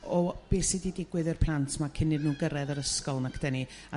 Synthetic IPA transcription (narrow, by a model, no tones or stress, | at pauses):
ɔb̥eːsididɪɡwɨðɨrpʰlˠantʰmakʰɪnɨdnuːɡəɾɛðəɾəskɔlˠnakʰd̥ɛni | a